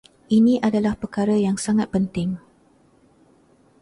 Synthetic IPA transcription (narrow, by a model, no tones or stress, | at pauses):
ʔinĩʔadalahpərkaɾəjaŋsaŋat̪̚pənt̪ɪŋ